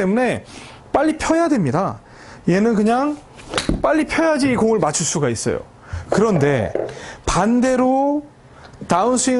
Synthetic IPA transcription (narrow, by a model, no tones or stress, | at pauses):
e̞mune̞ | p͈aʎːipʰjʌjadwe̞mɲida | je̞nɯnkɯɲaŋ | p͈aʎːipʰjʌjad͡ʑiːɡoŋɯɭmat͡ɕʰuɭs͈uɡais͈ʌ̰jo̰ | kɯɾʌnde̞pande̞ɾo | taɯnsʰui